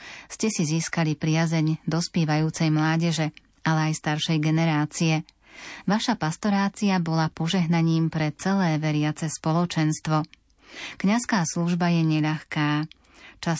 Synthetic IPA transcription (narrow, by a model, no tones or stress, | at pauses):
scɛsiziːskalipɾɪazɛɲd̪ɔspjɛːʋajuːt͡sɛjmlaːɟɛʒɛ | alɛajst̪aɾʃɛjɡɛnɛɾaːt͡siɛ | ʋaʃapast̪ɔɾaːt͡siabɔlapɔʒɛɦnaɲiːmpɾɛt͡sɛlɛːʋɛɾɪat͡sɛspɔlɔt͡ʃɛnst̪ʋɔ | kɲaskaːsluʒbajɛɲɛʎaxkaː | t͡ʃa